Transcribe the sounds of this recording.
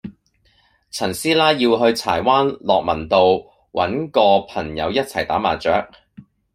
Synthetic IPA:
t͡sʰɐ˨˩nsiː˥laː˥jiː˧wɦɵ˧ɥt͡sʰaː˨˩jwaː˥nlɔː˨k̚mɐ˨˩nt̪o˧w | wʔɐ̰˨˥nkɔː˧pʰɐ˨˩ŋjɐ̰˨˧wjɐ˥t̚t͡sʰɐ˨˩jt̪aː˨˥ma̰ː˨˩t͡ʃœː˨˥k̚

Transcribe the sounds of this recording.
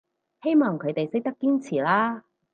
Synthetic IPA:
he˥jmɔː˨ŋkʰɵ˨˧ɥt̪e˨jsɪ˥k̚t̪ɐ˥kːiː˥nt͡sʰiː˨˩laː˥

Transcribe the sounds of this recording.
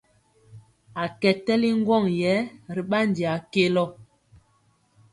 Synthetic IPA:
a˨kɛ˨tɛ˦li˦ŋ˦ɡwɔ˦˨ŋjɛ˨˦ɾi˨ɓa˦n˨di˨a˨ke˦lɔ˦˨

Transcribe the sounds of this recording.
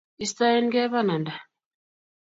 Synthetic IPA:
ist̪a˦e˦nɡɛ˦βa˦na˨nda˨

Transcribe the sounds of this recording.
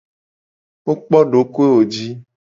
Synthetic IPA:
wo˦k͡pɔ˦ɖo˨˦ku˦e˦wo˨d͡ʒi˦

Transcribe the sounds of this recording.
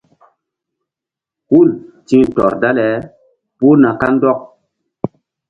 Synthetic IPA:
hu˦˨ltĩ˦ŋtɔ̰˨ɾda˦lɛ˨˦ | pu˦na˨ka˦n˦dɔ˦k̚

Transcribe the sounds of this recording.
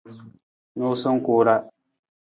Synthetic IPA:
no˦sʊ˦ŋ˦koː˦ɾa˦

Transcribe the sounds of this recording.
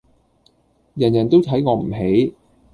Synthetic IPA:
jɐ˨˩njɐ˨˩nt̪o˥wt̪ʰɐ˨˥jŋɔː˨˧m̩˨˩ɦe˨˥j

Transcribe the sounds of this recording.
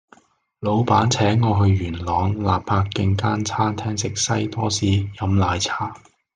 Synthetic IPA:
lo˨˧wpaː˨˥nt͡sʰɛː˨˥ŋːɔː˨˧ɦɵ˧ɥjyː˨˩nlɔː˨˧ŋlaː˨p̚pʰaː˧kːɪ˧ŋkaː˥nt͡sʰaː˥nt̪ʰɛː˥ŋsɪ˨k̚sɐ˥jt̪ɔː˥siː˨˥jɐ˨˧˥mlaː˨˧jt͡sʰaː˥

